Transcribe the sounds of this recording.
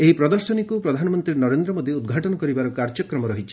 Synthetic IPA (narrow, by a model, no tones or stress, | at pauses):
eɦipɾɔd̪ɔɾsɔnikupɾɔd̪ʱanɔmɔnt̪ɾiɾnɔɾend̪ɾɔmod̪iud̪ɡʱaʈɔnɔkɔɾibaɾɔkaɾd͡ʒɔkɾɔmɔɾɔɦit͡ʃʰi̥